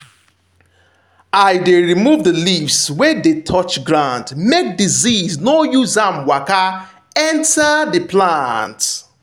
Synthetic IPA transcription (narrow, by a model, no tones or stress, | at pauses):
aɪdeɹimuvdəlivswɛdetʰɔt͡ʃɡɹãndmek̚diziznojuzãmwaka | ɛ̃ntadəplant